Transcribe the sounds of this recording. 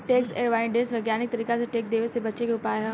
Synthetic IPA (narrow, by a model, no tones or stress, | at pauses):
ʈeːkseːɾʋaːɪɳɖeːsʋɐɪɡjaːnɪk̚t̪ɐɾiːkaseʈeːk̚d̪eːʋesebɐtːʃekeʊpaːɦɛ̃